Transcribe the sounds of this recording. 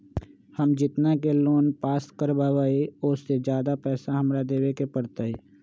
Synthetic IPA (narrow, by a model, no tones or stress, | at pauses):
hɐmd͡ʒɪt̪nakeloːnpaːskəɾbaːʋaːeʊsːed͡ʒjaːd̪apɛːsaɦɐmɾad̪eːʋekepəɾt̪aːɛː